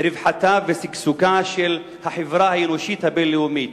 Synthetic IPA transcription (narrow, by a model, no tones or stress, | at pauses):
ɾɪvħat̪avesiɡsukaʃel | haħevɾahaenoʃit̪habelːeumit̪